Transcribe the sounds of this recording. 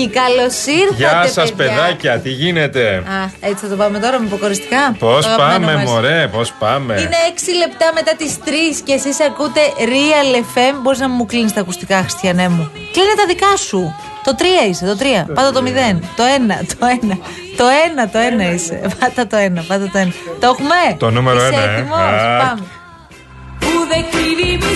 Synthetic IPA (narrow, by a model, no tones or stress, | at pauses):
ikɐlo̞siɾʝɐsɐspeðɐcɐt̪iʝinet̪e̞ɐxet͡siθɐt̪o̞pɐmet̪o̞ɾɐmepokoɾist̪ikɐposɐpɐmemoɾepospɐmeine̞eksile̞pt̪ɐme̞t̪ɐt̪ist̪ɾisce̞sisɐkut̪e̞ɾiɐle̞fe̞mbo̞ɾiznɐmuklinist̪ɐɐkust̪ikɐxɾist̪çɐnemu | klinet̪ɐðikɐsu | t̪o̞t̪ɾiɐise̞t̪o̞t̪ɾiɐpɐnd̪ɐt̪omiðe̞nt̪o̞enɐ̰t̪ʰoenɐ | t̪o̞e̞nɐt̪o̞e̞nɐise̞̰pɐnd̪ɐt̪o̞e̞nɐpɐnd̪ɐt̪oenɐt̪oxumet̪onumeɾɾoeɐimospɐme | uðekiɾi